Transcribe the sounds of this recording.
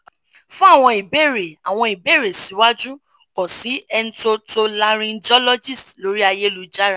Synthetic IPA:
fũ˦a˦˨w̃ɔ̃˧i˨be˦˨ɾe˨a˨w̃ɔ̃˧i˨be˦˨ɾe˨si˨˦wa˦d͡ʒu˦ | kɔ˨si˨˦ɛ˧n̩˦to˧to˧la˧ɾ̃ĩ˧d͡ʒɔ˦lɔ˦d͡ʒi˦˨stlo˨˦ɾi˦a˧je˦lu˧d͡ʒa˦ɾa˦˨

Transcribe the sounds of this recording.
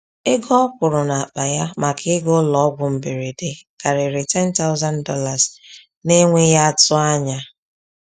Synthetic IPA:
e˦ɡɔ˦kʷʊ˨ɾʊ˨na˨a˨k͡pa˨ja˦ma˨kʰɪ˦ɡʊ˦lɔ˦ɡʷʊ˨m̩˨be˨ɾe˨de˨ka˨ɾɪ˨ɾɪ˨tɛ˦n˦ta˦ʊ˦za˦n˦dɔ˦la˨z | ne˦ŋʷe˦ja˦tʊ˦a˦ɲa˦

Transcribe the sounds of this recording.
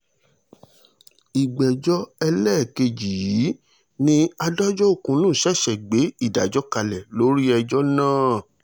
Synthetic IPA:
i˨ɡ͡bɛ˨d͡ʒɔ˦ɛ˧lɛː˦˨ke˧d͡ʒi˨ji˨˦ | nĩ˦a˧dɔ˦d͡ʒɔ˦o˦˨kũ˧˦nũː˦˨ʃɛ˦˨ʃɛ˨ɡ͡be˨˦i˦˨da˨d͡ʒɔ˦ka˧lɛ˨lo˨˦ɾi˦ɛ˧d͡ʒɔ˦nãː˦˨

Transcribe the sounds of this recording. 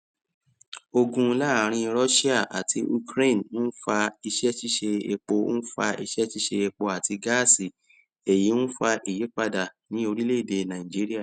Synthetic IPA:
o˧ɡũ˧la˦˨ɾ̃ĩ˧ɾɔ˦ʃi˦a˦˨ʔa˨tʰi˧˦u˧kɾe˦˨n̩˦fa˧i˧ʃɛ˦ʃi˦ʃe˧e˧k͡po˧˦fa˧ʔi˧ʃɛ˦ʃi˦ʃe˧e˧k͡po˧a˨tʰi˧ɡa˦si˨ | e˨jĩ˨˦fa˧ʔi˨je˨˦k͡pa˦da˨nĩ˦o˧ɾi˦le˦i˨de˧˨nã˨ĩ˨d͡ʒi˦ɾi˦a˦˨

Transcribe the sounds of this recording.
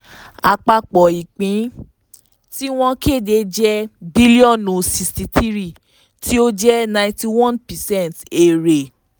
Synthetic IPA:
a̰˧˨k͡pa˧k͡pɔ˨i˨k͡pĩ˨˦ | ti˦w̃ɔ̃˧ke˦˨de˧d͡ʒɛ˦bi˦li˦ɔ̃˦˨no˨si˧sti˧tʰi˦ɾi˦˨ | tʰi˦o˦d͡ʒɛ˦nã˧ĩti˧wɔ̃˦˨npɛ˨sɛ̃˦˨n˨te˨ɾe˨

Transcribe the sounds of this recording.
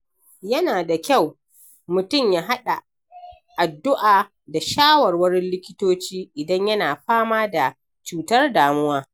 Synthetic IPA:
jɐ˦naː˨da˨kʲa˦˨w | mʊ˨tʊ˦˨mjaː˦ɦa˦ɗa˨ | ʔa˨dːʊ˦ʔaː˨ | da˨ʃaː˦wɐ˨rwɐ˦ɾɪ˦nlɪ˦kʲɪ˦toː˦t͡ʃiː˦ʔɪ˨dɐ˦ɲjɐ˦naː˨ɸaː˦maː˦da˨ | t͡ʃuː˨tɐ˦rdaː˨mʊ˦waː˦

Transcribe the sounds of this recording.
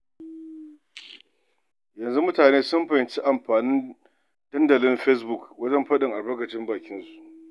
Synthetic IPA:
jɐ˨nzu˦mʊ˦taː˨neː˦sʊ˦mɸɐ˨hɪ˨nt͡ʃi˦ʔa˨mɸaː˨nɪ˦n | d̥ɐ˦ndɐ˨lɪ˦mɸɛ˦s̬bʊ˨kwɐ˦d͡ʒɐ˦mɸɐ˦ɗɪ˨ŋʔa˨bɐ˦ɡɐ˨t͡ʃɪ˦mbaː˨kʲɪ˦nsu̥˦˨ʔ

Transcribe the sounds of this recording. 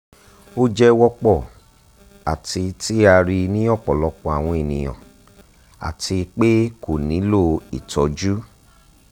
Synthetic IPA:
o˦d͡ʒɛ˧wɔ˧k͡pɔ˦˨ | a˨ti˧ti˦a˧ɾi˧nĩ˦ɔ˦˨k͡pɔ˨lɔ˧˦k͡pɔ˧a˨w̃ɔ̃˧e˨nĩ˨j̃ɔ̰̃˨ | a̰˨ti˧k͡pe˦ko˨nĩ˨˦lo˦˨ḭ˨tɔ˧˦d͡ʒu˦

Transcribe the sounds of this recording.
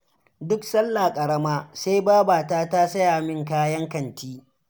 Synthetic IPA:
dʊ˦ksɐ˦lːaː˨kʼɐ˨ɽɐ˦maː˦seː˦jbaː˦baː˨taː˦ta˦sɐ˦jaː˨mɪ˦ŋkaː˦jɐ˦ŋkɐ˨ntiː˦

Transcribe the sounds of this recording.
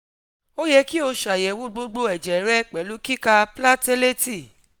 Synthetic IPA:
o˦jɛ˧ki˦o˧ʃa˨jɛ˨wu˦ɡ͡bo˦ɡ͡bo˧˦ɛ˨d͡ʒɛ˨˦ɾɛ˦˨k͡pɛ˨˦lu˨˦ki˦ka˧pla˦te˦le˦ti˦˨

